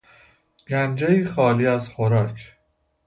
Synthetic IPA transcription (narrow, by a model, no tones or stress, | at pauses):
ɡ̥ænd͡ʒeiːxɒːliːæzxoɾɒːkʰ